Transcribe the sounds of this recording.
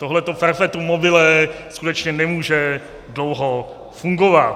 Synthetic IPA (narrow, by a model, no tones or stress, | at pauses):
t̪oɦlɛt̪ofɛɾfɛt̪umobɪlɛskut̪ɛt͡ʃɲɛnɛmuːʒɛ | dlowɦo | fuŋɡovat̪